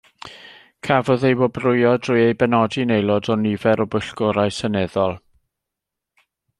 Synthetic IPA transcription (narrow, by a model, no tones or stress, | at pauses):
kʰavɔðejwɔbrʊjɔdrʊɨejbɛnɔdinejlˠɔdɔnivɛɾɔbʊɬɡ̥ɔɾajsənɛðɔlˠ